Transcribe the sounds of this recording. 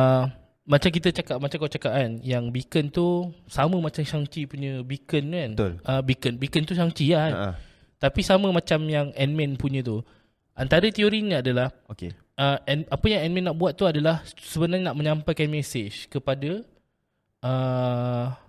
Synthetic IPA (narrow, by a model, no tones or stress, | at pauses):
ə | mat͡ʃamk̬it̪ət͡ʃakap̚mat͡ʃamkawt͡ʃakaʔanjaŋbikənt̪usaməmat͡ʃamʃaŋt͡ʃipuɲə̃bikənkant̪o̰ləbikənbikənt̪uʃaŋt͡ʃia̰ | t̪apisamə̃mãt͡ʃamjaŋɛnmɛ̃npuɲə̃t̪u | ʔant̪aɾət̪ioɾiɲəadalahokḛ | əɛnapəjaŋɛnmɛ̃nːaʔbuat̪ːuadalahsəbənarɲənaʔmə̃ɲãmpajkanmɛsed͡ʒkəpadə | ʔə